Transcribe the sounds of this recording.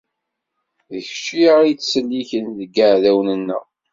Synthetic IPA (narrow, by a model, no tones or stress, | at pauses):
ðəçʃiit͡sːsəlːiçənðəɡəʕðæwnənːə̰